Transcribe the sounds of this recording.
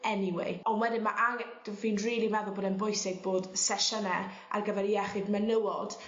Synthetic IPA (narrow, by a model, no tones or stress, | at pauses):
ɛniwḛɔnwɛdɪnmaʔaŋd̥viːnriːlˠimaðɔboːdɛnbʊjsɪɡ̚boːd̥sɛʃənɛ | a̰rɡəvɛɾiɛχɪdmɛnəwɔd̥